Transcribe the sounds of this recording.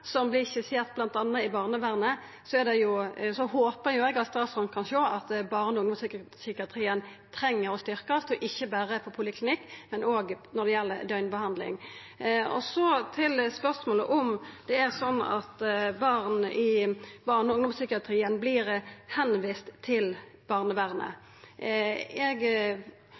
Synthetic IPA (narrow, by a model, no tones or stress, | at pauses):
sɔmblɪsɛseːt̪̚blɑnt̪ɑnːəɪbɑːʁnəʋæːʁnə | sɔɛɾd̪ɛjʊsɔhoːpəjʊɛɡɑt̪st̪ɑːsɔmkʰɑnʃoːɑt̪bɑːʁnəʊŋd̪ɔmsʏksʏkɪɑt̪ʰɾiːən | t̪ʰɾɛŋːəɾɔst̪ʏɾkəɑst̪ɔʔɪçːəbæːɾəfɔpʰʊlɪkʰlɪnɪkːmɛnoːɡnɔd̪ɛjɛlːə̰d̪œʏnbəhɑnd̪lɪ̰ŋ | ɔ̰sɔt̪ʰɪlspœʁsmoːlə̰ʔɔmd̪̥ɛæɾsɔnːɑ̰t̪bɑːʁnʔɪbɑʁnəʊŋd̪ʊmsʏkɪɑt̪ʰɾiːənblɪɾhɛnʋiːst̪t̪ʰːɪlb̥ɑʁnəʋæʁnə̰ | ɛɡ